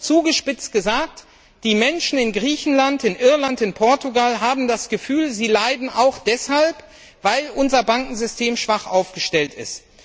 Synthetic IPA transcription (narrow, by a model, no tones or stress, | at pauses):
t͡suːɡəʃpɪt͡stɡ̥əzaːk̚t | d̥iːmɛnʃn̩ɪnɡʁiːçn̩lantɪnʔɪɐlantɪnpʰɔɐtuɡalɦaːbm̩dasɡ̥əfyːlziːlaɪdn̩ʔaʊxd̥ɛshalp | vaɪlʔʊnzɐbaŋkŋ̩zʏstʰeːmʃv̥aχʔaʊfɡ̥əʃtɛltɪ̰st